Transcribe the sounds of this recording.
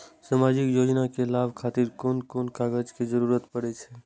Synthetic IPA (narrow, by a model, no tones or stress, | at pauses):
samad͡ʒikjod͡ʒnakelabkʰat̪iɾkonkonkaɡəd͡ʒked͡ʒəɾuɾət̪pəɽɛt͡ʃʰɛ